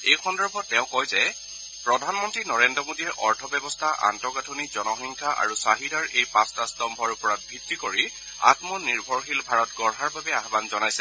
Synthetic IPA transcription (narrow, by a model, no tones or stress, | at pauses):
ejxɔndɔɹbʱɔtɛʊ̃kɔjzɛ | pɹɔdʱanmɔntɹinɔɹendɹɔmodiɛʔɔɹtʰɔbɛbɔstʰaʔa̰ntɔɡatʰonizɔnɔxiŋkʰaʔa̰ɹusaɦidaɹejpãstastɔmbʱɔɹupɔɹat̚bʱitːikoɹi | a̰tmɔniɹbʱɔɹxilbʱaɹɔtɡɔɹɦaɹbabɛaɦbanzɔnajsɛ